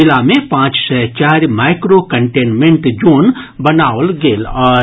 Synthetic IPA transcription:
ɪlamẽpãːt͡ʃsɛt͡ʃaːɾmaːɪkɾokə̃ɳʈeːnmẽɳʈd͡ʒoːnbɐnaːʊlɡeːlɔːɾ

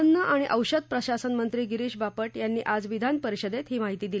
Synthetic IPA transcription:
ənːəʔaɽ̃iʔəwɕəd̪̚pɾəɕasənmənt̪ɾiːɡiɾiːɕbapəʈjanːiːʔad͡zʋid̪ʱanpəɾiɕəd̪et̪ɦiːmaɦit̪iːd̪il

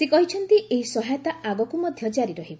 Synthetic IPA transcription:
sekɔɦit͡ʃʰɔnt̪iʔeɦisɔɦajɔt̪aaɡɔkumɔd̪ʱjɔd͡ʒaɾiɾɔɦibɔ

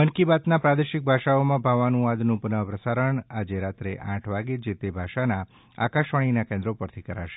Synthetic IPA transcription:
ənkibat̪napɾad̪eʃik̚bʱaʃaomãbʱaʋanũad̪nũpənəʋpɾəsaɾəɳad͡ʒeɾat̪ɾeʔãʈʰʋaɡed͡ʒet̪ebʱaʃana | a̰kaʃʋaɽ̃inakẽnd̪ɾopəɾt̪ʰikəɾa̰ʃe̥

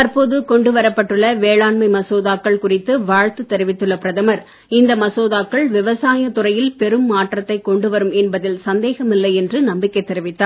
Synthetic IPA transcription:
t̪ɐɾpoːðɯkɔɳɖɯʋɐɾɐpːɐʈːɯɭːɐʋeːɭaːɳmɐɪmɐsoːðaːkːɐɭkʊrɪt̪ːɯʋaːɻt̪ɯt̪ːɛɾɯʋɪt̪ːɯɭːɐpɪɾɐðɐmɐɾ | ɪnd̪ɐmɐsoːðaːkːɐɭʋɪʋɐsaːjɐt̪ʊrɐjɪlpɛɾɯmːaːʈrɐt̪ːɐɪkːɔɳɖɯʋɐɾɯmɛnbɐðɪlsɐnd̪eːɣɐmɪlːɐɪɛndrɯnɐmbɪkːɐɪt̪ːɛɾɪʋɪt̪ːaːɾ

